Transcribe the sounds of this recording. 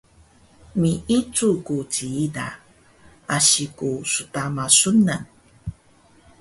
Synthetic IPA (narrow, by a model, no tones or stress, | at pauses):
miʔit͡sukut͡ɕiida̰ | aɕikusutamasunan